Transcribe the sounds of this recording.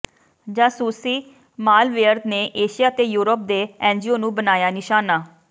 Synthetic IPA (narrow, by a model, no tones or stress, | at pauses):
d͡ʒãːsuːsiː | maːlʋeːəɾt̪neːʔeːʃijaːt̪eːjuːɾəp̚d̪eːɛ̃ːnd͡ʒiːoːnũːbənaːjaːnɪʃaːnaː